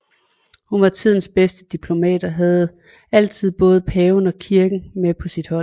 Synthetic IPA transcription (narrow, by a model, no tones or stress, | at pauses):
hunʋɑ̈t͡sʰið̞̰ˠn̩sb̥esd̥əd̥ipʰlo̝mɛ̰ːd̥ɒ̽ɦæð̞̩ˠ | æl̰t͡sʰið̰ˠb̥ɔ̽ːð̞̩ˠəpʰɛːʊnɒ̽kʰiɐɡ̥n̩mepʰɒ̽sid̥hɒ̽l̰